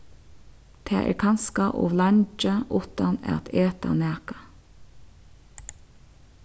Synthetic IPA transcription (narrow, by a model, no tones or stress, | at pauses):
t̪ʰḛːʔḛːkʰɑnskɑʔʊ̰ːʋlɑɲt͡ʃəʔʊt̪ɑnɛ̰t̪ʰeːt̪ɑ̰næːkɑ